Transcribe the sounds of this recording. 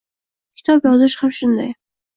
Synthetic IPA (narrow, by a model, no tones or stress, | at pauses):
kʲʰɪ̥t̪ʰɑpjɒzɨʃhamʃʊnd̪a̰j